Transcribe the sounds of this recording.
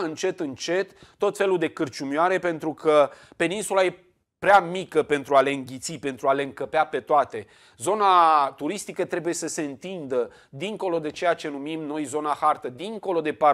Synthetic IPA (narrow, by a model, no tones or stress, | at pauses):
ɨnt͡ʃe̞t̪ɨnt͡ʃe̞t̪ːo̞t̪fe̞luld̪e̞kɨrt͡ʃumjaɾe̞pe̞nt̪ɾukʰəpe̞ninsulaje̞ | pɾeamikəpe̞nt̪ɾuale̞ɨŋɡʲit̪sipe̞nt̪ɾuale̞ɨŋkəpeape̞t̪oat̪e̞ | zo̞nat̪uɾist̪ikət̪ɾe̞buje̞səse̞ɨnt̪ind̪ə | d̪iŋko̞lo̞d̪e̞t͡ʃe̞jat͡ʃe̞numimno̞jzo̞nahart̪əd̪iŋko̞lo̞d̪e̞pa